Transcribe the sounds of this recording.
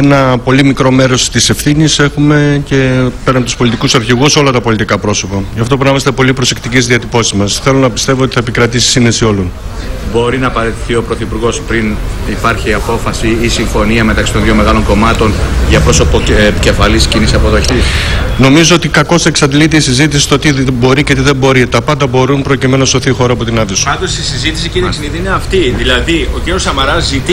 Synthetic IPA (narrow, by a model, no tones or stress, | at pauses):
enɐpo̞limikɾo̞me̞ɾo̞st̪ise̞fθinise̞xume̞ce̞pe̞ɾɐmt̪u̥spo̞lit̪ikusɐɾçiɣuso̞lɐt̪ɐpo̞lit̪ikɐpɾo̞so̞pɐʝɐft̪o̞punɐmɐst̪e̞po̞lipɾo̞se̞kt̪iceszðiɐt̪ipo̞sizmɐsθe̞lo̞nɐpi̥st̪e̞voot̪i̥θɐepikɾɐt̪isi̥sinðesio̞lun | bo̞ɾinɐːpɐɾe̞t̪iθio̞pɾoθipuɾɣo̞spɾinipɐɾçiɐpo̞fɐsiisiɱfo̞niɐme̞t̪ɐksi̥t̪oðʝome̞ɣɐlo̞ŋko̞mɐt̪o̞nʝɐpɾo̞so̞poce̞fɐliscinisɐpo̞ðo̞çisno̞mizo̞ot̪ikɐko̞seksɐd̪ilit̪̬eisizit̪̬isi̥st̪ot̪ibo̞ɾicet̪iðe̞mbo̞ɾit̪ɐpɐnd̪ɐbo̞ɾunpɾo̞cime̞nunɐso̞θixo̞ɾɐːpo̞t̪inɐðeso̥ɐnd̪osisizit̪isiciɾisiniðiineɐft̪iðilɐðiociɾiosɐmɐɾɐzːit̪